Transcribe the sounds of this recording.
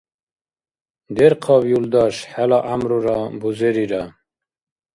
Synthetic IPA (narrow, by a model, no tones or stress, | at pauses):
d̪eɾqʰɑːbjuld̪ɑʃħælɑʔamɾuɾɑbuzeɾiɾa